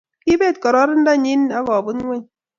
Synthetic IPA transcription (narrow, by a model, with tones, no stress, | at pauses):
ki˦be˦˨t̚kɔ˨ɾɔ˦ɾn̩˦da˦˨ɲi˦na˦ɡɔ˨bu˦n˦ŋʷe˦ɲ